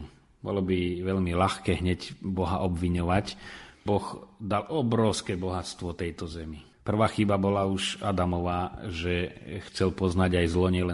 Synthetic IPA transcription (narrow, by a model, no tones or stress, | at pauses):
bɔ̰lɔbiʋɛʎmilaxkɛːɦɲɛcbɔɦa̰ʔɔbʋiɲɔʋacbɔɣd̪alʔɔbɾɔʊskɛːbɔɦat͡st̪ʋɔt̪ɛjt̪ɔzɛmi | pr̩ʋaːxibabɔlauʃad̪amɔʋaːʒɛxt͡sɛlpɔznaɟajzlɔɲɪɛlɛ